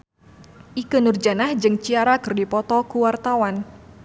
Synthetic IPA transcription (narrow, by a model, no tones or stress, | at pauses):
ʔikənurd͡ʒanahd͡ʒɨŋt͡ʃiaɾakɨrdipɔt̪ɔkuwart̪awan